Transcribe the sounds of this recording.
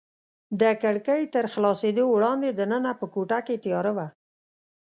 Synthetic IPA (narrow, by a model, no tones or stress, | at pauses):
d̪əkəɽkəjt̪əɾxlɑsed̪owɽɑnd̪ed̪ənənapəkoʈaket̪jɑɾəwa